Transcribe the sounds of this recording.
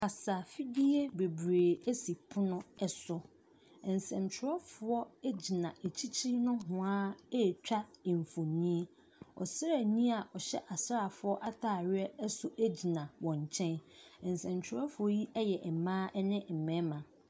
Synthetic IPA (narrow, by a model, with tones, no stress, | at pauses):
kʰa˨sa˨fi˦di˦e˦be˨bɾeː˨æ˦si˨pʰʊ˦nʊ̃˦ɛ˦sʊ˦ | ɛ˨n̩˨sɛ̃˨mt͡ɕʰɪ˨ɾɔ˦fʊ˨ɔ˦e˦d͡ʑi˨nã˨e˨t͡ɕʰi˦t͡ɕʰi˦nʊ̃˦hʊ̃˨ã˦e˦˨t͡ɕᶣa˦˨ɱ˨fo˨nĩ˦e˦ | ɔ̰˨sɾa˨nĩ˦a˨ʔɔ˨ɕɛ˦ʔa˨sɾa˨fʊ˨˦ɔ˦ʔa˦tʰaː˨ɾɪ˦ɛ˦ɛ˦sʊ˦ʔe˦d͡ʑi˨nã˨wɔ̃˨ɲ˨t͡ɕʰɛ̃˦nɛ˨n˨sɛ̃˨mt͡ɕʰᶣɪ˨ɾɔ˦fʊ˨˦ɔ˦ji˦ʔɛ˦jɛ˨ʔɛ˨mã˦ɛ˦nɪ̃˦m̩˨mɛ̃˨˦mã˨